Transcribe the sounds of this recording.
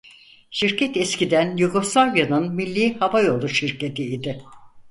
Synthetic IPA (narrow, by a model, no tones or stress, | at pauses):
ʃiɾcʰɛt̪ɛscid̪ænjuɡo̞slˠavjanɯnmilʲːiːhavajo̞lˠuʃiɾce̞t̪ʰiid̪ɪ